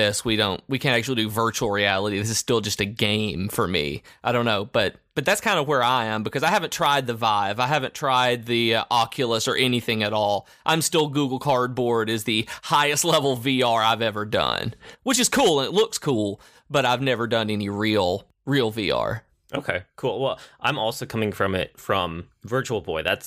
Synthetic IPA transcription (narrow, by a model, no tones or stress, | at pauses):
ɪswiɾõʊ̃nʔwikʰɨ̃ntæk̚t͡ʃʉl̩ˠidɨvɜ˞t͡ʃul̩ˠɹiælˠəɾiðɪs̬ɨz̥stɪlˠd͡ʒʌstɨɡẽɪ̃mɱfə˞mḭaɪɾõʊ̃nːoʊb̥ʌt̚b̥ʌt̪̚ðætskʰãɪ̃ndəwə˞aɪɨ̃mbɨkʰʌzaɪhævɨ̃ntʰɹ̥aɪd̪̚ðɨvaɪvaɪɦævɨ̃ntʰɹ̥aɪd̪̚ðiʔɑkʰjɨl̩ˠəsə̰˞ʔɛniθɪ̃ŋɨɾɔlˠ | ʔãɪ̃mstɪlˠɡuɡl̩ˠkʰɑɹd̚bɔɹɾɨzðɨhaɪɨstˡlɛvl̩ˠviɑɹaɪvɛvə˞dʌ̰̃nwət͡ʃɨz̥kʰulˠə̃nɨtˡlʊkskʰulˠ | b̥ʌɾaɪvnɛvə˞dʌ̃nɛniɹilˠ | ɹilˠvḭɑ̰ɹ | ʔoʊkʰeɪkʰulˠwɛlˠʔãɪ̃mɔlˠsoʊkʰʌ̃mɪ̃ŋfɹʌ̃mɪ̰t̚fɹʌ̰̃mvɜ˞t͡ʃul̩ˠbɔɪðæ̰ts